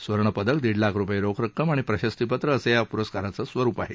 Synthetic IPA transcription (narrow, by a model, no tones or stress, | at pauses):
sʋəɾɳ̃əpəd̪ək̚d̪iɽlakɾupəjeɾokʰɾəkːəmaɽ̃ipɾəɕəst̪ipət̪ɾəːsejapuɾəskaɾat͡səsʋəɾuːpaɦe